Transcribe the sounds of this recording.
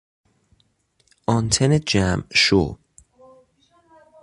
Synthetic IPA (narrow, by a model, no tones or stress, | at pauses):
ʔɒnt̪ʰened͡ʒæmʃo̰ːb